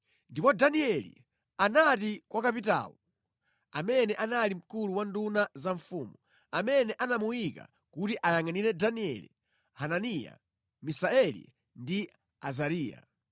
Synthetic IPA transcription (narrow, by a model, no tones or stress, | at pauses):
ndipɔdaniɛlḭ | anatikwʔakapita̰ːwu | a̰mɛnɛʔanalim̩kuluwandunazaɱfuːmu | amɛnɛʔanamuwika̰ | kutiʔajaŋaniɾɛdaniɛ̰lḭ | hananija̰ | misaɛlḭ | ndi | azaɾiːja̰